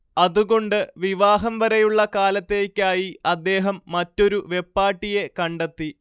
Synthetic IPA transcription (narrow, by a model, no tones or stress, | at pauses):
ɐðuɣo̞ɳɖɨʋiʋaːɦɐmʋɐɾejuɭːɐkaːlɐt̪ːe̞ːkʲːaːjiɐd̪ːe̞ːɦɐmːɐtːo̞ɾuʋe̞pːaːʈːije̞kɐɳɖet̪ːi